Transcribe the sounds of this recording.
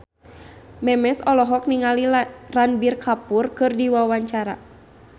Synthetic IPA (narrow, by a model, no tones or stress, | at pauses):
mɛmɛsɔlɔɦɔk̚niŋaliranbirkʰapurkɨrdiwawaɲt͡ʃaɾa